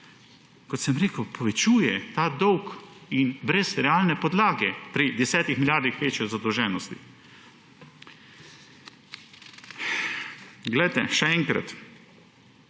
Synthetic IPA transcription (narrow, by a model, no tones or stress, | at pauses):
kɔt̪sɛmɾeːkəwpʰɔʋɛt͡ʃuːjɛt̪aːd̪ɔwkinbɾɛsɾɛaːlnɛpɔd̪laːɡɛpɾid̪ɛsɛːt̪ixmiljaːɾd̪ixʋeːt͡ʃjɔzad̪ɔwʒɛːnɔst̪ḭ | ɡlɛjt̪ɛʃɛɛŋkɾa̰t̪